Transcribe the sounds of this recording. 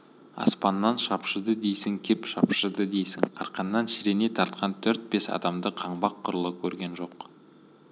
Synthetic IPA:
ɑ̰spɑnːɑnʃɑpʃəd̪əd̪ejsɪŋkʲʰepʃɑpʃəd̪əd̪e̞jsɪ̰ŋɑ̰ɾqɑnːɑnʃɪɾe̞ne̞t̪ʰɑɾt̪qʰɑnt̪ʰɵɾt̪̚be̞sɑ̰d̪ɑmd̪əqʰɑɴbɑqʰːʊɾəlˠəkʲʰɵɾɡʲe̞nʒo̞q

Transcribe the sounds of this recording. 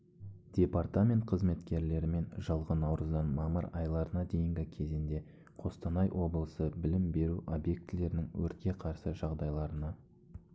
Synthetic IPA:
d̪̥ʲe̞part̪amʲe̞nt̪̚qʰəzme̞t̪kʲe̞ɾle̞ɾɪme̞nʒəlˠʁənɑwɾəzd̪ɑnmɑməɾɑjlˠɑɾənɑd̪e̞jɪŋɡʲɪkʲʰe̞zɪnd̪e̞ | qʰo̞st̪ɑnɑjwʔo̞blˠəsəbɪlɪmbe̞ɾuʔo̞bje̞k̚t̪ɪle̞ɾɪnɪŋwɵɾt̪̚kʲe̞qʰɑɾsəʒɑʁd̪ɑjlˠɑɾənɑ

